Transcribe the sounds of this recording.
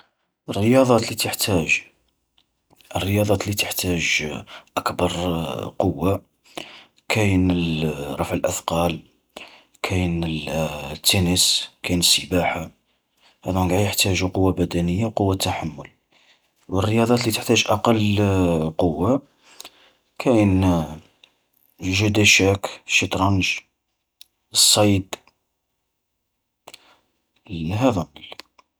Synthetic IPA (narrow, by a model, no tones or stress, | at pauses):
ʔərːəjɑd̪ˤɑt̪lit̪əħt̪ʰæʒ | ʔərːəjɑd̪ˤɑt̪lit̪əħt̪æʒʔəkbɑɾˤqowːa | kʰæjnərˤɑfʕəlʔəfqɑl | kʰæjnət̪ːænəskæjnəsːəbaħa | hæd̪unɡaʕjəħt̪æʒuqowːabæd̪ænəjːaqowːat̪ːaħamːʊl | wərːəjɑd̪ˤɑt̪lit̪ə̥ħt̪æʒʔɑqɑlː | qowːa | kʰæjən | ʒəd̪æʃækʃit̪ˤɾɑnʒ | əsˤːɑjd̪ | ɦæd̪un